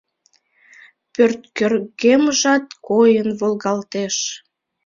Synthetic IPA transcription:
pørt̪kørɣeməʒɑt̪kojənβolˠɣɑlt̪eʃ

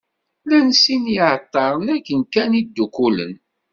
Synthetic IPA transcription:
lænsinjəʕət̪ˤːɑɾˤənækːənkænid̪ːukulə̰n

